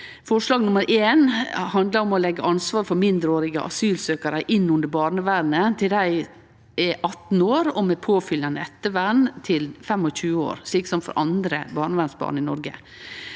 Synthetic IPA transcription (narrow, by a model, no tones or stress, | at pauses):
fɔʂlɑːɡnʊməɾʔeːnhɑnd̪ləɾɔmɔlɛɡːəʔɑnsʋɑːɾfɔɾmɪnd̪ɾəoːɾɪɡə̰ʔɑ̰syːlsøːkɑɾəʔɪnːʉnd̪əɾbɑːɾɳəʋæɾnət̪ʰɪld̪æɪ | ɛʔɑt̪n̩oːɾɔmɛpʰoːfʏlɑnəɛt̪ːəʋænt̪ʰɪlfɛmɔçʉːəo̰ːɾʂɭiːksɔmfɔ̰ɾʔɑnd̪ɾə̰bɑːɳəʋænsbɑ̰ːɳɪnɔɾɡə̰